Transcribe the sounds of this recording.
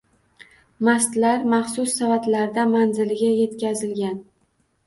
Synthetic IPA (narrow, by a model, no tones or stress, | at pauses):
mast̪laɾmaχsʊsːavat̪laɾd̪amanzɪlɪɡʲaje̞t̪kʲazɪlɡʲan